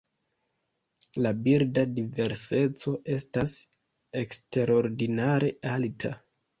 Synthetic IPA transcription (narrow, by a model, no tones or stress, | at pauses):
labiɾdadive̞ɾse̞t͡so̞ʔe̞stas | e̞kste̞ɾo̞ɾdinaɾe̞altʰa